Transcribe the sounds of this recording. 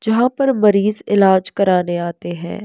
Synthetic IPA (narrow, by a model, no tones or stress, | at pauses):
d͡ʒɐɦãpɐɾmɐɾiːzɪlaːd͡ʒkɐɾaːneaːt̪eɦɛ̰̃ː